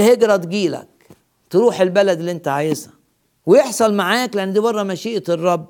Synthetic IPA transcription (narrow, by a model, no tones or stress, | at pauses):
heɡɾˤɑt̪ɡiːlæ̰k̚ | t̪ɾuːħelbælæd̪eliʔent̪æʕaːjezhæ̰ | wejeħsˤɑlmaʕaːkleʔænːd̪iːbɑrˤːɑmæʃiːʔt̪rˤːɑbː